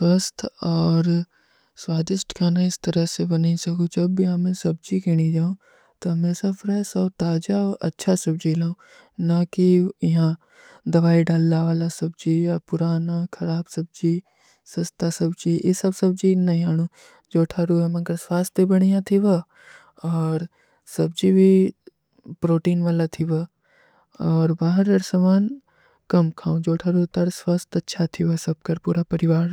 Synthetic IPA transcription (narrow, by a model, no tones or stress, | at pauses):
swɐst̪ʰɔːɾ | swaːd̪ɪʃʈkʰaːnaɪst̪ɐɾəɦsebɐnisɐkũd͡ʒɐbːiamẽsɐb̚d͡ʒikɪɽ̃id͡ʒaːũ | t̪ɐmẽsɐfɾasɐbt̪aːd͡ʒaʔɐ̰tːʃʰasɐbd͡ʒilaːũ | nakiɪɦã | d̪ɐʋaːiɖaːlːaʋaːlasɐbd͡ʒiapʊɾaːnakʰɐɾaːbsɐb̚d͡ʒi | sɐst̪asɐbd͡ʒiːesɐbsɐb̚d͡ʒinɐĩɦaːɽ̃ũ | d͡ʒoːʈʰaɾuːɦɛmɐɡɐɾsʋaːst̪ibɐɽ̃ijãt̪ʰiʋɐ | ɔːɾ | sɐbd͡ʒiːbʱi | pɾoːʈiːnʋaːlat̪ʰiʋɐ | ɔːɾbaːɦəɾɐɾsɐmaːn | kɐmkʰãːũd͡ʒoːʈʰaɾuɦt̪ɐɾswaːst̪ɐtːʃʰat̪ʰiʋɐsɐb̚kɐɾpuːɾapɐɾɪʋaːɾ